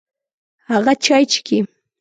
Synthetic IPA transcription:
ɑɢɑt͡ʃajt͡ʃkɪ

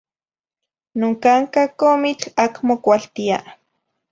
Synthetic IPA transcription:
noŋkaŋkakomit͡ɬakmokʷalt̪ia

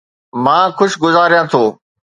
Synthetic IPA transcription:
mãːxʊʃɡʊzaːɾjãt̪ʰoː

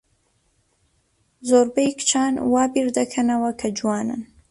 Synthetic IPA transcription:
zoːɾbejkt͡ʃʰaːnwaːbiɾd̪ɐkʰɐnɐwɐkʰɐd͡ʒuwɑːnɨ̰n

